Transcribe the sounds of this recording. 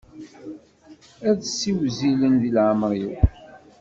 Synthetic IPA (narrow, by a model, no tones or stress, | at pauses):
æðsːiwzilənðilʕəmɾiw